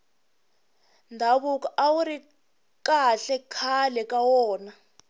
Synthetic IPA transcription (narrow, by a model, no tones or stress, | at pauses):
ndʱaβuk̬ʼaʔawuɾi | kaɬɛkʰalɛkʼawɔːna